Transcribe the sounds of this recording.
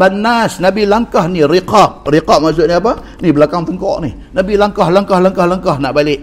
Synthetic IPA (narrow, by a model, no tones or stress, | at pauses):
banasnabilaŋkahniriqap̚riqap̚maʔs̬ʊʔniap̬a | nibəlakaŋt̪əŋkɔ̰ʔnih | nabilaŋkahlaŋkahlaŋkahlaŋkahnaʔbalɪʔ